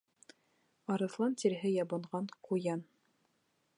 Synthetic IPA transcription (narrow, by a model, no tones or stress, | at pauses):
ɑɾɤ̆θlˠɑnt̪iɾɦɘjɑbɤ̆ɴʁɑɴqujɑn